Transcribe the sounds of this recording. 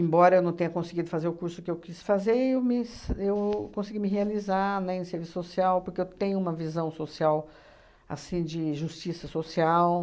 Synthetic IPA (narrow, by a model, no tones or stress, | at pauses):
ẽmbɔɾɐewnɐ̃w̃t̪ẽɲɐkõsɪɡid̪ʊfazeɾʊkuɾsʊkɪewkisfazeɾewmɪsewkõsɪɡimɪɦealizanɛ̃ẽseɾvisʊ̥sosiawpoɾkeewt̪ẽɲʊũmɐvizɐ̃w̃sosiaw | a̰sĩd͡ʒɪʒust͡ʃisɐsosiaw